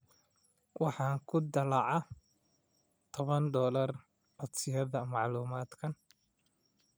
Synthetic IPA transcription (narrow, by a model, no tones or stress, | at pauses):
wɑħɑːŋkʰʊd̪ɐlɑʕɑ | t̪ʰɔβɐnd̪ɔːlɐr | ʕɔd̪sɪjɐðɐmɑʕluːmaːd̪kʰɐn